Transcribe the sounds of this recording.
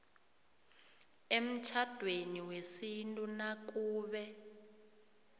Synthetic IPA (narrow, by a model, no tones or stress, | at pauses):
em̩t͡ʃʰad̥ʱweniwesintʼunak̬uːɓɛ